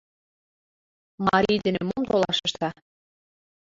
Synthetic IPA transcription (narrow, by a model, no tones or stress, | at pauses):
mɑɾʲijd̪ɘ̆nemomt̪olɑʃə̆ʃt̪ɑ